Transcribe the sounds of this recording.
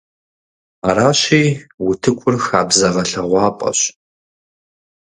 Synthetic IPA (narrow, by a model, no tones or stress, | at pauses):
aɾaːɕiːwʊtʰɨkʷʰʊrxaːbzɐʁɐɬɐʁʷɑːpʼɐ̰ɕ